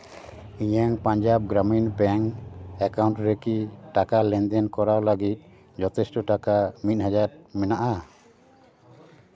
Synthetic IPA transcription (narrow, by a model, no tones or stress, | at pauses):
iɲaŋpaɲd͡ʒab̚ɡɾaminpɛŋɛkawɳʈɾekiʈakalɛnd̪ɛnkɔɾawlaɡit̪̚ˀ | d͡ʒɔt̪ɛsʈɔʈakamit̪̚ˀɦad͡ʒaɾmɛnaʔa